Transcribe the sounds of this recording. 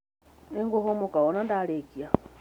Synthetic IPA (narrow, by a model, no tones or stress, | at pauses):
niŋɡoɦomukaonandalekia